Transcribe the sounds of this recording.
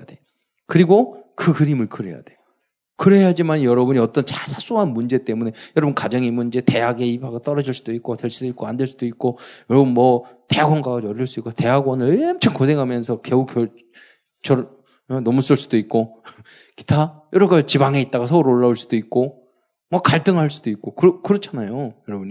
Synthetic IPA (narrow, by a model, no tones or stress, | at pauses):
ade̞ | kɯɾiɡokɯkɯɾimɯɭkʰɯɾeja̰d̥e̞ | kɯɾejad͡ʑimanjʌɾʌbuɲiʌt͈ʌnt͡ɕasʰas͈uɦanmund͡ʑe̞t͈e̞mune̞jʌɾʌbɯnkad͡ʑʌŋimunid͡ʑe̞te̞ɦaɡe̞ipaɡat͈ʌɾʌd͡ʑiɭs͈ud̥oik̚k͈otwe̞ɭs͈udoik͈̚oandweɭs͈ud̥oik̚k͈ojʌɾʌbɯnmʌte̞ɦaɡwʌnɡaɡaʌɾːiɭs͈uik͈ote̞ɦaɡwʌnɯɭemt͡ɕʰʌŋkosʰe̞ŋɦamjʌnsʰʌkeukʰʌ | t͡ɕʌɾ | jʌnʌmus͈ɯɭs͈ud̥oik̚k͈o | ki̥tʰajʌɾʌɡat͡ɕibaŋe̞it̚t͈aɡasʰʌuɾoɭːauɭs͈ud̥oik̚k͈o | mʌkaɭt͈ɯŋɦaɭs͈ud̥oik̚k͈okɯɾʌkɯɾʌt͡ɕʰanajojʌɾʌbuɲi